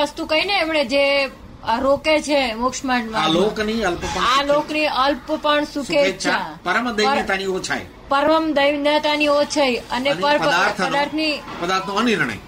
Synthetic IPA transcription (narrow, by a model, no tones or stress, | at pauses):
əst̪ukəineːmɳed͡ʒe | ɾoket͡ʃʰemʊkʂmaʈmaalokniəlppəalokniəlppəɳsukʰet͡ʃʰapəɾəmd̪əjat̪aniot͡ʃʰa̰j | pəɾʋəmd̪əjʋnət̪aniot͡ʃʰajənepəɾpəd̪aɾʰəd̪aɾt̪ʰnipəd̪aɾt̪ʰnõəniɾɳ̃ə̰j